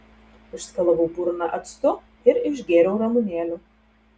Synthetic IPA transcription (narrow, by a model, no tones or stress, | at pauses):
ɪʃskɐlˠɐʋuːbuːɾɐnɐʔɐt̪st̪ʊ | ɪɾɪʃɡʲeːɾʲɛʊɾɐmʊnʲeːlʲuː